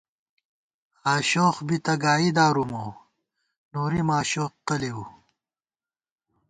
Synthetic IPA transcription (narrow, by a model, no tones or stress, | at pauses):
aːɕoːχbit̪ɐɡaːid̪aːɾumoː | noːɾimaːɕoːqqɐliu